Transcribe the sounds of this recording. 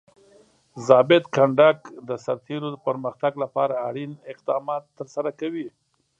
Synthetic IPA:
zɑbɪd̪kaɳɖakd̪əsaɾt̪ʰeɾod̪əpəɾməxt̪aɡlapɑɾaːɽinɪqd̪ɑmɑt̪ːəɾsaɾakawi

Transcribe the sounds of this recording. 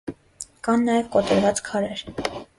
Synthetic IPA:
kɑnːɑjɛvkɔt̪ɛɾvɑt͡skʰɑɾɛɾ

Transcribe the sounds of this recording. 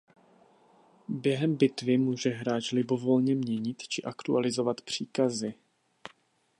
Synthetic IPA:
bjɛɦɛmbɪt̪vɪmuːʒɛɦɾaːt͡ʃlɪbo̞vo̞lɲɛmɲɛɲɪt̪t͡ʃɪʔakt̪ualɪzo̞vat̪pr̝̥iːkazɪ

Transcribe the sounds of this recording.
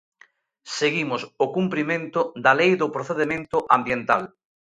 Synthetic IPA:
seɣimʊsʊkumpɾimẽnt̪ʊd̪ɐlejðʊpɾoθeðemẽnt̪ʊʔãmbjent̪a̰l

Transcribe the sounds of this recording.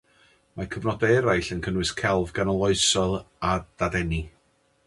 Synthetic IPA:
makʰəvnɔdaɾajɬənkʰənwɨskʰɛlˠvɡanɔlˠɔɨsɔlˠad̥adɛni

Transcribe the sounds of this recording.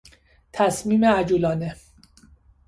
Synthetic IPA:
t̪ʰæsmiːmeæd͡ʒuːlɒːne

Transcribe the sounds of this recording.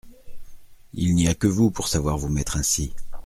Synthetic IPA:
ilniakəvupuʁsavwaʁvumɛt̪χɛ̃si

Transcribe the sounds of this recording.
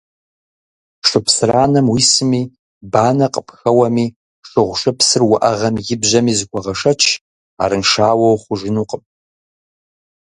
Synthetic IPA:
ʂʷɨpsraːnɐmwisɨmiː | baːnɐqʼəpxɐwɐmiː | ʂɨʁʷʂʷɨpʰsɨrwʊʔɐʁɐmjɪbʑɐmiːzɨkʷʰɔʁɐʂɐt͡ʃʰ | a̰ːɾɨnʂaːwɐwχʷʊʒɪnuqʼəp

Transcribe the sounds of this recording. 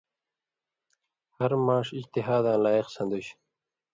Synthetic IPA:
hɐɾmaːʂid͡ʑt̪iɦaːd̪ãːlaːiqsɐ̃nd̪uɕ

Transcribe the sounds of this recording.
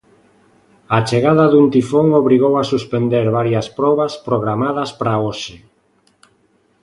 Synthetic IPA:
at͡ʃeɣaðɐðunt̪ifoŋoβɾiɣ̞owasuspend̪eɾβaɾjɐspɾɔβɐspɾoɣɾamaðɐspɾaoʃe

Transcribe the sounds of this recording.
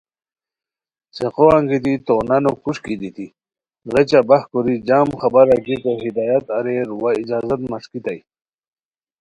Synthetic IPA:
seqoaŋɡit̪it̪onanokuʂkid̪it̪i | ʁet͡ɕabahkuɾid͡ʑaːmxabaɾaɡit̪oɦid̪aːjat̪aɾeɾwaid͡ʑaːzat̪maʂkit̪aj

